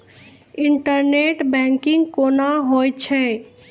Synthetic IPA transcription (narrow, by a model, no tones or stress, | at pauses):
ɪɳʈəɾneʈbɛ̃ŋkɪ̃ŋɡkoːnaɦojt͡ʃʰɛ̃